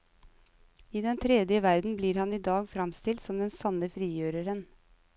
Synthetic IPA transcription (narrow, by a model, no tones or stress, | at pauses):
iːd̪ɛnt̪ʰɾɛd̪jəʋæɾd̪n̩bliːɾhɑniːd̪ɑːɡfɾɑmst̪ɪlt̪sɔmd̪ɛnsɑnəfɾiːjøːɾəɾən